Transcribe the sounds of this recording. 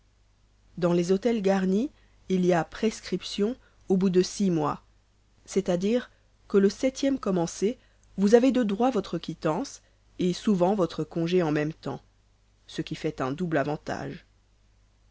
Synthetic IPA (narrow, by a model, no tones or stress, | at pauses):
d̪ɑ̃lezot̪ɛlɡaʁniː | liapχeskχipsjɔ̃ | obud̪əsimwa̰ | sɛt̪ad̪iːʁ | kələsɛt̪jɛmkɔmɑ̃se | vuzaved̪əd̪ʁwavɔt̪χəkʲit̪ɑ̃s | esuvɑ̃vɔt̪χəkɔ̃ʒeɑ̃mɛmt̪ɑ̰̃ | səkʲifɛt̪ɛ̰̃d̪ublavɑ̃t̪a̰ːʒ